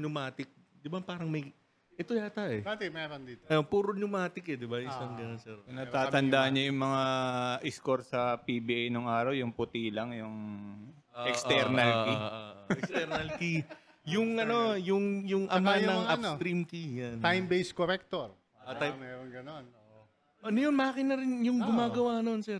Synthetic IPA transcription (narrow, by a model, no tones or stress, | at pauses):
ɲʊmaːt̪ɪk̚d̪ɪbapaːɾɐŋmɐj | ʔɛt̪ojaːt̪aʔɛat̪ɛmɛɾond̪iːt̪oɐjopuːɾoɲʊmaːt̪ɪkɛd̪ɪbaɪsɐŋɡɐnonsɛɾpɪnat̪aːt̪ɐnd̪aʔɐɲɲɐjʊŋmɐŋaʔɪskoɾsɐpibiʔajnoŋaːɾɐwjʊŋpʊt̪ilɐŋjʊŋ | oʔɛksɛɾnɐliɛkst̪ɛɾnɐlki | jʊŋɐno̞jʊŋjʊŋʔɐmanɐŋap̪ot̪ɾimk̪ijant̪ajmbejskoɾɛk̚t̪oɾ | ot̪ajmɛɾonɡɐnono | ʔɐnɐjonmɐakɪnːɐɾɪnjʊŋɡʊmaːɡɐwanonsɛɾ